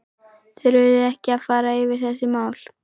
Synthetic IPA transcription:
θɪɾʏðɪɛhcɪaðfaːɾaɪvɪɾ̥θɛsːɪmaːwl̥

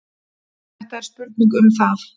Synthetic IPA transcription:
ɛht̪aɛɾspʏɾt̪̚niŋkʏmθað

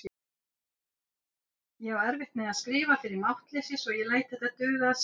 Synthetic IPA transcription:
jɛɛɾvɪht̪̚mɛðaðskɾiːvafɪɾɪɾmawht̪lɛsjɪsɔɣjɛlaːjt̪̚θɛht̪ːat̪ʏɾɣaas

